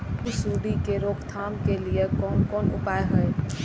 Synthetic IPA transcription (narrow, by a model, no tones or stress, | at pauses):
ʊsuːɽikeɾoːkt̪ʰaːmkeliekɔːnkɔːnʊ̰paːeɦəe